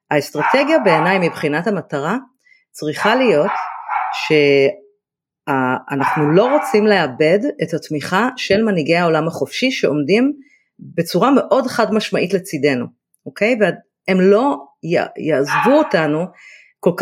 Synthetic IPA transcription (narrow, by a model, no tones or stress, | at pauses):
aestʁateɡjabe̞ːnajmibχinathamataʁa | t͡sʁiχalijo̞tʃe̞ | aːnaχnulo̞ʁot͡simle̞abe̞detatmiχaʃe̞lmaniɡe̞jao̞lamhaχo̞fʃiʃe̞o̞mdim | be̞t͡suʁame̞ʔo̞dχadmaʃmaʔitlet͡side̞nu | ʔokʰe̞jvea | emlo̞ja̰jaːzvuotanu | kolk